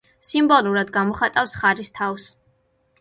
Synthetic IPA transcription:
simbɔlˠuɾad̪ɡamɔχat̪ʼafsχaɾist̪ʰafs

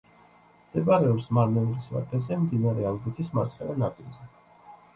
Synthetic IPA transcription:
md̪̥ɛbaɾɛɔpsmaɾnɛuɾisva̰t̪ʼɛzɛmd̪inaɾɛalˠɡit̪ʰismaɾt̪sχɛnanapʼilzɛ

